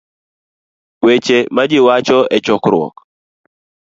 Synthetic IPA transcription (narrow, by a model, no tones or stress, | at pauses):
wet͡ʃemad͡ʒɪwat͡ʃɔɛt͡ʃɔkɾʊɔ̰k